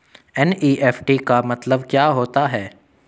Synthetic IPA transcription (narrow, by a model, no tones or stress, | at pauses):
ɛniːʔɛːfʰʈikamɐt̪ləbkjaːɦoːt̪aɦɛː